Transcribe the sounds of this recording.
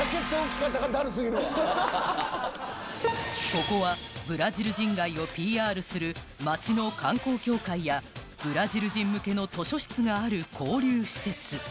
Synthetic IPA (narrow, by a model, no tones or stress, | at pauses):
ake̞t̪ːoːkʲi̥kat̪ːaɡad̪aɾɯs̬ɨɡʲiɾɯka | ko̞ko̞βabɯ̟ɾaʑiɾɯ̟ʑĩŋɡaio̞pʲiːaːɾɯ̟sɨɾɯ̟ | mat͡ɕino̞kʰãŋko̞ːkʲo̞ːkaija | b̥ɯ̟ɾaʑiɾɯ̟ʑĩmːɯ̟ke̞no̞t̪o̞ɕo̞ɕi̥t͡sɨɡaːɾɯ̟kʰo̞ːɾʲɨːɕi̥se̞t͡sɨ